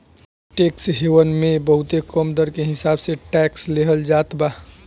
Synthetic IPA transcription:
ʈeːksɦewənmẽbəɦʊt̪ekɔmd̪əɾkeɦɪsaːbseʈɛːksleɦəld͡ʒaːt̪baː

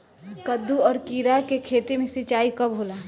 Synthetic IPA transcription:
kəd̪ːuɔːɾkiːɾakekʰeːt̪emẽsɪt͡ʃaːikɐbɦoːla

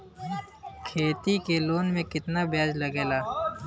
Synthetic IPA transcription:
kʰeːt̪ikeloːnmẽkɪt̪nabjaːd͡ʒlɐɡeːlaː

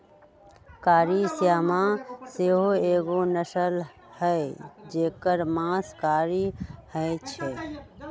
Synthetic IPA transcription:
kaːɾisjamãseɦoeɡonəsəl | həed͡ʒeːkəɾmãskaɾihəjt͡ʃʰɛ

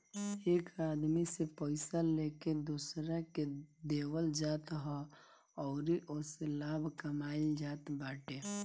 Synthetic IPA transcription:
eːkaːd̪misepəɪsaleked̪uːsɾaked̪ewəld͡ʒaːt̪ɦɔ | ɔːɾiʔoselaːbʱkəmaːild͡ʒaːt̪baːʈe

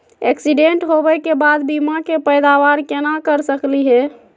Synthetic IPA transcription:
eksiɖeɳʈɦobɛkebad̪bimakepəjd̪aβaɾkenakəɾsəkliɦɛ

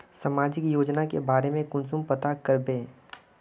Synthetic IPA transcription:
səmaːd͡ʒɪkjoːd͡ʒnakḛbaːɾemẽkʊnsʊmpət̪akəɾbẽː

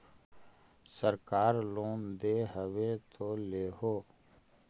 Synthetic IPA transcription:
səɾkaːɾloːnd̪eːɦəʋet̪ʰoːleːɦoː

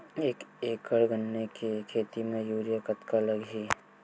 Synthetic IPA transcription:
eːkeːkəɽɡənːekekʰeːt̪imẽjuːɾijakət̪kaləɡɦi

